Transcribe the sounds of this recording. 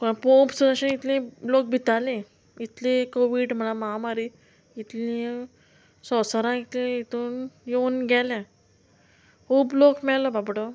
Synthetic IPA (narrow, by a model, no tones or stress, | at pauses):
kopõpsuɾaɕənit̪lĩlok̚bʱit̪alẽ | it̪lẽkoʋiɖm̤ənamamaɾi | it̪lĩ | sɔsəɾãit̪lĩit̪uːnjeunɡʱɛlɛ̃ | uːblokmɛɭlɔbabɽo